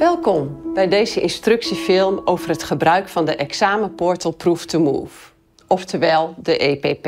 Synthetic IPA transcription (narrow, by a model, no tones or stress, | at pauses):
ʋɛlˠkɔmbɛjdeːzəʔɪnstrøksifɪlˠmowvərətχəbrœɥkfɑndəʔɛksaːməpɔɹtəlˠpruftʰəmṵːf | ɔftəʋɛlˠdəʔeːpeːp